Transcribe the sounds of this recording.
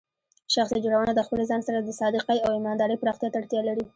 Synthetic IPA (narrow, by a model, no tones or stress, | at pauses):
ʃaxsid͡ʒoɽawənad̪əxpəlezɑnsaɾad̪əsɑd̪ɪqajawɪmɑnd̪ɑɾəjpɾɑxt̪jɑt̪aɽt̪jɑlaɽi